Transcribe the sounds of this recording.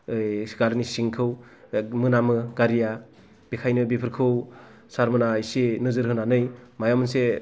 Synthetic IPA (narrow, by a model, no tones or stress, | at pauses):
jskaɾnisiŋkʰɯw | mɯnamɯɡaɾija | b̥ikʰajnɯbipʰɯɾkʰɯw | saɾmɯnajsenɯzɯɾɦɯnanɯjmajamɯnse